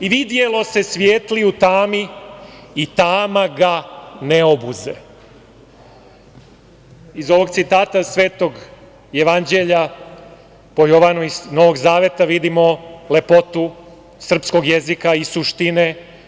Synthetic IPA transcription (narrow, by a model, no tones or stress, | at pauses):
iʋid̪je̞lo̞se̞sʋjeːt̪liut̪aːmiː | t̪aːmaɡaneobuzḛ | izo̞ʋo̞ɡt̪sit̪aːt̪asʋe̞ːt̪o̞ɡ | jeʋand͡ʑe̞ʎa | po̞joʋanuizno̞ʋo̞ɡzaːʋe̞t̪aʋid̪imo̞le̞pot̪u | sr̩psko̞ɡjezikaisuʃt̪ine̞